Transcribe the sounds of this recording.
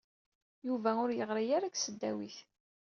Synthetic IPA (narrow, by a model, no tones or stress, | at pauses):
juvæʊɾjəʁɾijaɾaksəd̪ːæwiθ